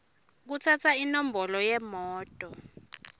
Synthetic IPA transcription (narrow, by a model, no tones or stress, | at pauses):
k̬utʰat͡sʰainombʱɔlɔjɛmɔːtʼɔ